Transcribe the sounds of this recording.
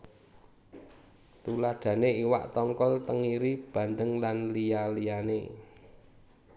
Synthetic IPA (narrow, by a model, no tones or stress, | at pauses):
t̪ulad̥ä̤neiwa̰ʔt̪ɔŋkɔlt̪əŋiɾib̥ä̤nd̪əŋlanlialijanḛ